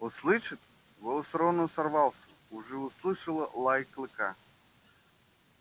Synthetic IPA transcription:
ʊslˠɨʂɨt̪ | vosɾonəsɐrvalˠsʲə | ʊʐɛʊslˠɨʂəlˠəlˠajklˠɨka

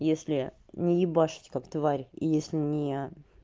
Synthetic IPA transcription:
jesʲlʲɪnʲɪjɪbaʂɨ̥tʲkakt̪vaɾʲḭjesʲlʲɪnʲɪ

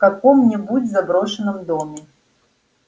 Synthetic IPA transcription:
kakɔmnʲɛbut͡sʲzabɾɔʂɨnɨmd̪ɔmʲɛ

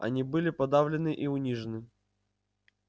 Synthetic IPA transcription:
ɐ̰nʲibɨlʲɪpɐd̪avlʲɪnɨʔiʊnʲiʐɨnɨ

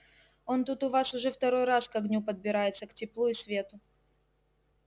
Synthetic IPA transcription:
o̞nt̪ut̪ʊvasʊʐɛft̪ɐɾo̞jɾaskɐɡnʲupəd̪̚bʲɪɾajɪt̪səktʲɪplˠuɪsvʲe̞t̪ʊ

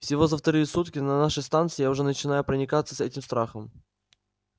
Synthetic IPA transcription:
fsʲɪvo̞zəft̪ɐɾɨjəsut̪kʲɪnɐnaʂɨst̪ant̪sɨɪjaʊʐɛnət͡ɕɪnajʊpɾənʲɪkat̪sə̥sɛtʲɪmst̪ɾaxəm

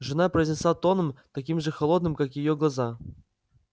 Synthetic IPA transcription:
ʐɨnapɾəjzʲnʲɪsˠat̪onəmt̪ɐkʲimʐɨxɐlˠod̪nɨmkakjɪjoɡlˠaza

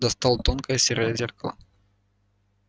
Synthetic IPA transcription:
d̪ɐst̪ɑlˠt̪onkəjəsʲeɾəjəzʲerkɐlˠɐ̰

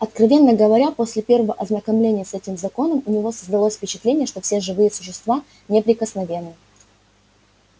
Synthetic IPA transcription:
ɐt̪kɾɐvʲe̞nːəɡəvɐɾʲapo̞sʲlʲɪpʲe̞rvəvəʔɐznəkɐmlʲenʲɪjəsɛtʲɪmzɐko̞nəmʊnʲɪvo̞səzd̪ɐlˠosʲfʲpʲɪt͡ɕɪ̥t̪lʲenʲɪjəʂt̪ofsʲe̞ʐɨvɨjəsʊɕɪst̪va | nʲepɾʲɪkəsnɐvʲe̞nːɨ

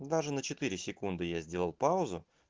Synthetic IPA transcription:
d̪aʐɨnət͡ɕɪt̪ɨɾʲɪsʲɪkund̪ɨjazʲdʲe̞lˠəlˠpaʊzʊ

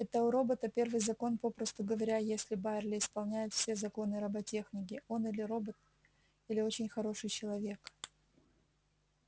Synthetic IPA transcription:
ɛt̪əʊɾo̞bət̪əpʲe̞rvɨjzɐko̞npo̞pɾəst̪ʊɡəvɐɾʲajesʲlʲɪbaɪrlʲɪɪspɐlˠnʲæjɪt̪fsʲe̞zɐko̞nɨɾɐbɐtʲe̞xnʲɪk̬ʲɪo̞nilʲɪɾo̞bət̪̚ | ilʲɪo̞t͡ɕɪnʲxɐɾo̞ʂɨjt͡ɕɪlˠɐvʲe̞k

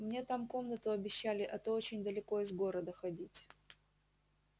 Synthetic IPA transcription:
mnʲe̞t̪amko̞mnət̪ʊɐbʲɪɕːælʲɪʔɛt̪oot͡ɕɪnʲd̪əlʲɪko̞ɪzɡo̞ɾəd̪əxɐdʲitʲ

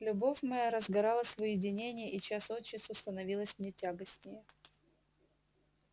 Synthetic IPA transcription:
lʲʊbo̞fʲmɐjaɾəzɡɐɾɑlˠəsʲvɨjɪdʲɪnʲenʲɪjəʔit͡ɕasot̪t͡ɕːɪst̪vʊst̪ənɐvʲilˠəsʲmnʲetʲaɡəsʲnʲɪjə

